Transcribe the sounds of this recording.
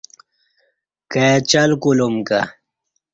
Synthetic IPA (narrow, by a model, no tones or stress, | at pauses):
kajat͡ɕɐlkulumka̰